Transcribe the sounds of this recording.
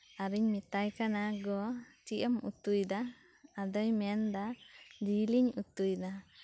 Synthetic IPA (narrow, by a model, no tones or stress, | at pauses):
aɾiɲmit̪ajkanaɡɔt͡ʃiʔəmṵt̪ujd̪aː | d̪əjmɛnd̪ad̪iliɲut̪ujd̪a